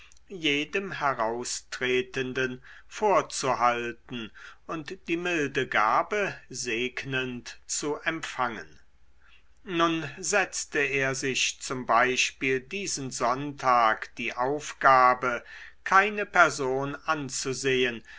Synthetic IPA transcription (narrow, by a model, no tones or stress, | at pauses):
jeːdəmɦɛʁaʊstʁ̥eːtəndən | foːɐt͡suhaltn̩ʔʊntd̥iːmɪldəɡaːbəzeːknəntt͡suʔɛmfaŋən | nʊnzɛt͡stəeːɐzɪçt͡sʊmbaɪʃpiːldiːzənzɔntʰaːkd̥iːʔaʊfɡ̥aːbəkʰaɪnəpɛɐzoːnʔant͡suzeːən